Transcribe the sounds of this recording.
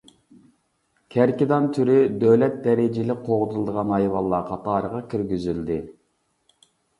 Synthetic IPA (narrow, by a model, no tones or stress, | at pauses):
kʲʰæɾkʲid̪ɑnt̪ʰyɾyd̪øwlɛt̪̚d̪ɛɾɪd͡ʒɪlɪqʰoʁd̪ɨlˠd̪əʁɑnɑjwɑlˠːɑqʰɑt̪ɑːɾəʁɑkʲʰyɾɡʲyzyld̪ɪ